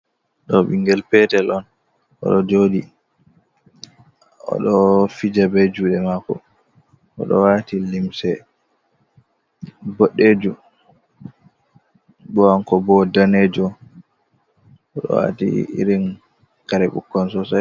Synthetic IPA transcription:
ɗɔɓiŋɡɛlpɛtɛlʔɔn | ʔɔ̰ɗɔd͡ʒodi | ɔ̰ɗɔfid͡ʒabed͡ʒuɗɛmakɔ̰ | ʔɔ̰ɗɔ̰watilimsɛ | bɔɗːed͡ʒu | bɔaŋkɔbɔdaned͡ʒɔ | ɔɗɔ̰wa̰tḭḭɾin | kaɾɛɓṵkːɔnsɔsaj

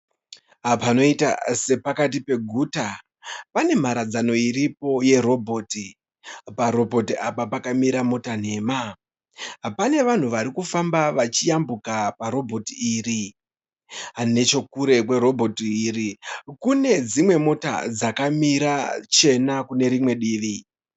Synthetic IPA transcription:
apano̞ita̰se̞pakat̬ipe̞ɡʱuːta | pane̞m̤aɾad͡zano̞iɾipo̞je̞ro̞bʱoːti | paɾo̞bʱo̞tiʔapapakamiɾamo̞tan̤e̞ːma | ɦapane̞ʋan̤uʋaɾikufambaʋat͡ʃijambukapaɾo̞bʱo̞tiiːri | ane̞t͡ʃo̞kuɾe̞kweɾo̞bʱo̞tiːrikune̞d͡zimwe̞mo̞ta̰d͡zakamiɾat͡ʃe̞nakune̞ɾimwe̞ɗiːʋi

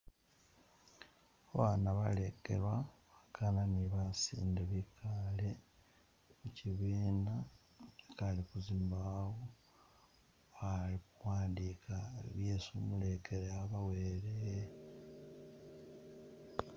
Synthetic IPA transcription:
aβanaβale̞kḛlwaβakʰananiβasḭːndeβikʰale̞ | muciβiːna | ekalikuziːmbawo | alikuwaːndikʰaeβjeːsumule̞kʰeɾeaβaweɾe

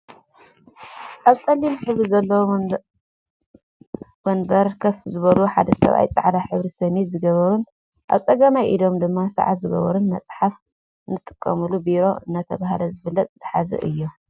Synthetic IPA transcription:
ʔaβt͡sʼɐlːimħɨβɾizɐlːɐw | wɐnbɐɾkʰɐfzɨβɐluħa̰d̪ɐsɐ̰βa̰jt͡sʼa̰ʕlaħɨβɾisɐmit̪zɨɡɐβɐɾun | ʔa̰βt͡sʼɐɡɐmajʔid̪o̞md̪ɨmːasa̰ʕa̰t̪zɨɡɐ̰βɐɾunmɐ̰t͡sʼħaf | nːɨt̪ʼːɨkʼːɐmulubiɾo̞ɨ̰nːat̪ʰɐβahlɐzɨfɨlːɐt̪ʼzɨħazɐ̰ʔɨjːo

